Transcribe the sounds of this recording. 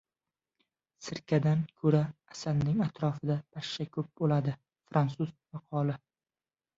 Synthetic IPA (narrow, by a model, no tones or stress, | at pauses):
sɪɾkʲʰad̪ankʰɵɾaːsalnɪŋat̪ʰɾɒfɪd̪ab̥aʃːakʰɵp̚bolad̪ɪ | fɾʔansʊzmɑqʰɒlɪ